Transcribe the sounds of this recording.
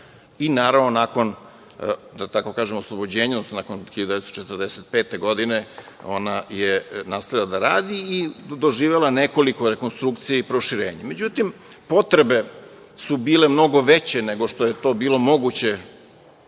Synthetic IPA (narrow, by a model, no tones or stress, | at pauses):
inaːɾavʋnonako̞n | d̪at̪ako̞kaːʒemoslˠobo̞d͡ʑeːɲaonosnonakonxiʎad̪ud̪eest̪t͡ʃet̪əɾd̪eset̪̚pe̞ːt̪e̞ɡo̞d̪ine | o̞̰najenaːst̪aʋjilad̪aɾaːd̪iid̪o̞ʒiːʋelˠaneko̞liko̞ɾe̞ko̞nst̪ɾukt̪sijeipɾo̞ʃiɾe̞̰ːɲame̞d͡ʑut̪impo̞t̪ɾe̞be̞ | subiːle̞mno̞ɡo̞ʋet͡ɕene̞ɡo̞ʂt̪o̞jet̪o̞ːbiːlˠo̞mo̞ɡut͡ɕe̞